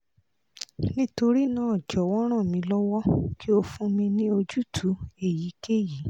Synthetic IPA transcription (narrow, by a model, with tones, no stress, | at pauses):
nĩ˦to˧ɾi˦nãː˦ɔ˨d͡ʒɔ˨wɔ˦ɾ̃ã˦˨mĩ˧lɔ˦wɔ˦ki˦o˧fũ˦mĩ˧nĩ˦o˧d͡ʒu˦˨tʰu˨˦e˨ji˨˦ke˦ji˨˦